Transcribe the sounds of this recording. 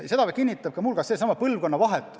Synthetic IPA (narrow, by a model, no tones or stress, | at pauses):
se̞d̪̥ɑʋekinʲːit̪ːˑɑb̥̚kɑmulkɑsesɑmɑpɤlvko̞nːɑvɑɦet̪ːˑ